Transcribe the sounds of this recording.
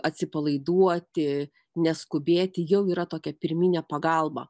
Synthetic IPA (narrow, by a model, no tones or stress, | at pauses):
ɐt̪ʲsʲɪpɐlˠɐɪd̪uɔt̪ʲɪ | nʲɛskʊbʲeːt̪ʲɪjɛʊiːɾɐt̪oːkʲɛpʲɪɾʲmʲiːnʲɛpɐɡɐlˠbɐ̰